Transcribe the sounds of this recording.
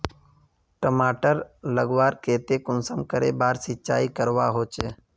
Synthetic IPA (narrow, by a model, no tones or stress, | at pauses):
ʈəmaːʈəɾləɡʋaːɾkeːt̪eːkʊnsəmkəɾḛːbaːɾsɪtːt͡ʃaːikəɾʋa̰ːɦoːt͡ʃeː